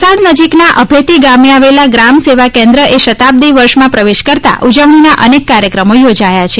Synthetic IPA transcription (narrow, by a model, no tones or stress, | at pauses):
səɽnəd͡ʒiknaʔəbʱet̪iɡameaʋelaɡɾamseʋakɛ̃nd̪ɾəʔeʃət̪ab̚d̪iʋəɾʃmãpɾəʋeʃkəɾt̪a̰ʔud͡ʒəʋɳ̃inaʔənekːaɾjəkɾəmojod͡ʒajat͡ʃʰe